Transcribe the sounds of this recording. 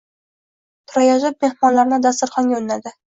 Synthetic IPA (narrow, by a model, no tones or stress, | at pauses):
t̪ʰʊɾajaʒɪp̚me̞hmɒnlaɾnɪd̪ast̪ɪɾχɒŋɡʲaolɪnad̪ɪ